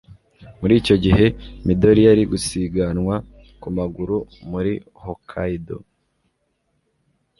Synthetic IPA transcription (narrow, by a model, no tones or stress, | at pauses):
muɾiːco̞ɟiɦe̞mido̞ɾijaɾiɡusiɡanŋwa | kumaɡuɾumuɾi | hokʰaido̰